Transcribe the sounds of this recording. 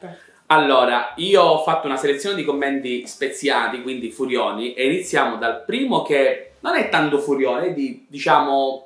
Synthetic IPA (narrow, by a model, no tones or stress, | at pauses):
alːoːɾaiːoɔfːat̪ːʊunaselet̪sjoːned̪ikomːɛnt̪ispet̪sjaːlikwind̪ifuɾjɔːniʔeinit̪sːjaːmod̪alpɾiːmok̟enonɛt̪ːant̪ʊfuɾjoːnɛd̪id̪it͡ʃaːmʊ